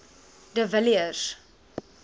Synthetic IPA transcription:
dəvəliəz̥

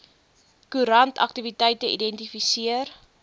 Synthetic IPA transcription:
kuɾɐntɐ̰k̚tivitəjtəʔḭdɛntifisiər

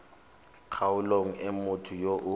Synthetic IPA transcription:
kʰaʊloŋ̩ɛmʊtʰʊjoʔʊ

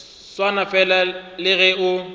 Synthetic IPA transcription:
swanafɛlalɪɣɛʊ

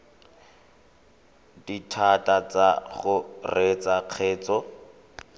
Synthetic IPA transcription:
ditʰatat͡saɣʊret͡saq͡χʰeːt͡sɔ

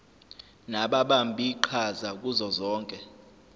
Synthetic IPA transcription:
naɓaɓambʱiǃʰazak̬ʼuzɔzɔːŋkʼɛ

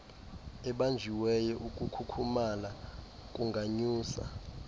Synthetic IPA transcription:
ɛɓand͡ʒʱiwɛjɔʔukʼukʰukʰumana | kʼuŋɡʱaɲuːsa̰

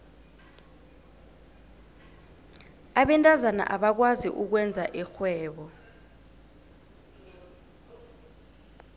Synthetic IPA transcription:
aɓɛntʼazana̰ʔaɓak̬wazḭʔuk̬wɛnd͡zʱaʔixwɛːɓɔ

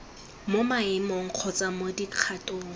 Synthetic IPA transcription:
momaɪmɔŋ̩q͡χʰɔt͡sʼamodiq͡χʰatʼɔʊː

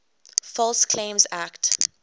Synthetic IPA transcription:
fɔlskʰlẽmzækt

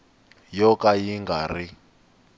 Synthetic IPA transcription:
jɔkajiŋɡari

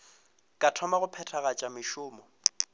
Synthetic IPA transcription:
kʼatʰɔmaɣʊpʰɛtʰaɣat͡ʃʼamɪʃʊːmɔ

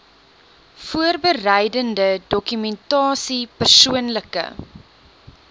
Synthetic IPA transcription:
fuərbərɛjdəndədɔkymɛntɑːsipərsuənləkə̰

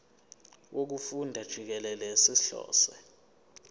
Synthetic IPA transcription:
wʔok̬ufundʱad̥ʒ̥ʱik̬ɛlɛlɛsiɬɔ̰ːsɛ

